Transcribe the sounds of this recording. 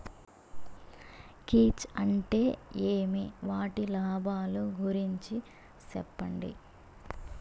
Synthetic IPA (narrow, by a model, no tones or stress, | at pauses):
kiːt͡ʃɐɳʈe̞ːeːmiʋaːʈilaːbʱaːluɡʱuɾiɲt͡ʃi | sɛ̰pːɐɳɖḭ